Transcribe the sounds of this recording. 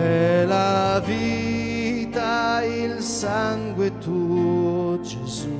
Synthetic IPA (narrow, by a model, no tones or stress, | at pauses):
ɛlavi | t̪ail | saŋɡwet̪u | d͡ʒezu